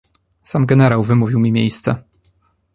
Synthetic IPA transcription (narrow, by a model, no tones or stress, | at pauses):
samɡɛnɛɾawvɘmuvʲiwmʲimʲjḛjst̪sɛ̰